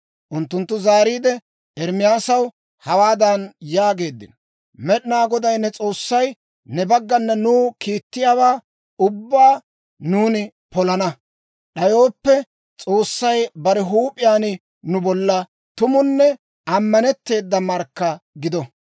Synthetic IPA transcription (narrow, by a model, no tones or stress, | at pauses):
ʔʊnt̪ːʊnt̪ːʊzaːɾiːd̪ɛ | ɛɾmɪjaːsɐw | hɐwaːd̪ɐnjaːɡe̞ːd̪ːɪnɔ | mɛɗɪnaːɡɔd̪ɐjnɛt͡sʼo̞ːsːɐj | nɛbɐɡːɐnːɐnuːkiːt̪ːɪjaːwaː | ʊbːaː | nuːnɪ | pɔlɐnɐ | ɗɐjo̞ːpːɛ | t͡sʼo̞ːsːɐjbɐɾɛɦuːpʼɪjaːnɪ | nʊbɔlːɐ | t̪ʊmʊnːɛ | ɐmːɐnɛt̪ːe̞ːd̪ːɐmɐɾkːɐɡɪd̪ɔ